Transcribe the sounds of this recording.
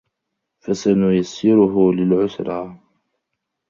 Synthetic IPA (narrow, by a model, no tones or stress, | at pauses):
fasanʊjasːɪɾʊɦʊlɪlʕʊsɾˤɑː